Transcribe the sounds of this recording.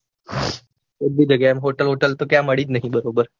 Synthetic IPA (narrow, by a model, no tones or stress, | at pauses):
od̪ːiːd͡ʒəɡaɛmɦoʈəlɦoʈəlt̪okjaməɭiːd͡ʒnaɦĩbəɾobəɾ